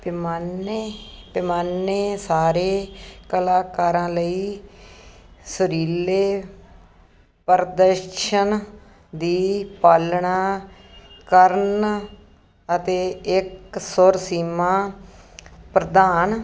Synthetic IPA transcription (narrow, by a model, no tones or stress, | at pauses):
pɪmanepɪmaːnːeːsaːɾeːkəlaːkaːɾãːləiː | səɾiːleː | pəɾd̪əɾʃən | d̪iːpaːlɳaː | kəɾn | ət̪eːɪksʊɾsiːmãː | pɾəd̪aːn